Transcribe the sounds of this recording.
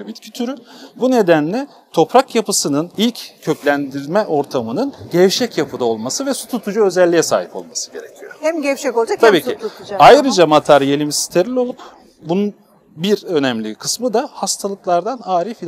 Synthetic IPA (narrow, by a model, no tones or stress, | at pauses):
bit̪cʰit̪ʰyɾybune̞d̪ænlʲɛ | t̪ʰo̞pɾakjapɯsɯnɯnilʲccʰø̞clʲænd̪iɾmɛʔo̞ɾt̪ʰamɯnɯnɟɛvʃɛcjapʰɯd̪ao̞lˠmasɯvɛsu̥t̪ʰut̪ʰud͡ʒuø̞zɛlʲːijɛsa̰ːɦipo̞̰lˠmasɯ̥ɟe̞ɾecʰijo̰ɛɛt̪ʰabiːiajɾɯd͡ʒamat̪ʰaɾjelʲimisi̥t̪ʰeɾilʲo̞lˠup | bunun | biɾø̞nɛmlʲḭkʰɯsmɯd̪ahast̪ʰalˠɯklˠaɾd̪anaːɾifi